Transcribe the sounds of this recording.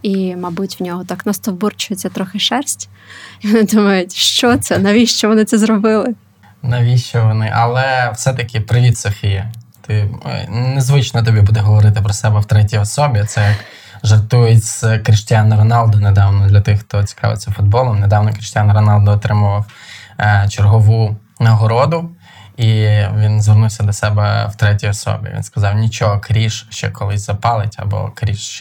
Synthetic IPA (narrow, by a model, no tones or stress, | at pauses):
imɐbutʲwnʲɔɦɔt̪ɑknast̪ɔwburt͡ʃʊjet͡sʲːɐt̪ɾɔxɪʃɛrsʲtʲ | iʋɔnɪd̪umɐjʊtʲʃt͡ʃɔt̪sɛnɐʋʲiʃt͡ʃɔʋɔnɪt̪sɛzɾɔbɪlˠɪ | nɐʋʲiʃt͡ʃɔʋɔnɪʔɐlˠɛwsɛt̪ɐkʲɪpɾɪʋʲit̪sɔfʲijɐt̪ɪ | nezʋɪt͡ʃnɔt̪̬ɔbʲibud̪ɛɦɔʋɔɾɪt̪ɪpɾɔsɛbɛwt̪ɾɛtʲijɔsɔbʲit̪sɛjɐk | ʒɐrt̪ujet͡sʲz̥kɾɪʃtʲanɐɾɔnɑlˠd̪ɔned̪ɑwnɔd̪lʲɐt̪ɪxxt̪ɔt͡sʲi̥kʰɑ̰ʋɪ̰t͡sʲːɐfʊd̪̚bɔlˠɔmned̪ɑwnɔkɾʲiʃtʲanɾɔnɑlˠd̪ɔːt̪ɾɪmʊʋɐw | t͡ʃerɦɔʋu | nɐɦɔɾɔd̪ʊ | iʋʲinzʋernuwsʲɐd̪ɔsɛbɛ̰wt̪ɾɛtʲijɔsɔ̰bʲḭʋʲḭnskɐzɑwnʲit͡ʃɔɦɔkɾʲiʃʃt͡ʃɛ̰kɔlˠɪsʲzɐpɑlˠɪtʲɐ̰bɔ̰kɾʲiʃt͡ʃ